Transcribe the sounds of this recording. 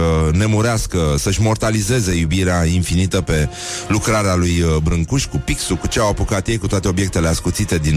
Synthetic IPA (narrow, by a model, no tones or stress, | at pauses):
əne̞muɾeaskəsəʃʲmo̞rt̪alize̞ze̞jubiɾeainfinit̪əpe̞ | lukɾaɾealujbɾɨŋkuʃʲkupiksukut͡ʃeawapukat̪je̞jkut̪oat̪e̞o̞bje̞k̚t̪e̞leaskut̪sit̪e̞d̪in